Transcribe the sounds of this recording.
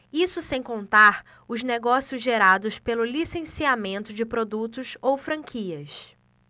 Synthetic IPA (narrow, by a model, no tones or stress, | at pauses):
isʊsẽj̃kõnt̪aɾ | ʊzneɡɔsiʊzʒeɾad̪ʊspelʊlisẽsiamẽnt̪ʊd͡ʒɪpɾod̪ut̪ʊsowfɾɐ̃ŋkʰiɐs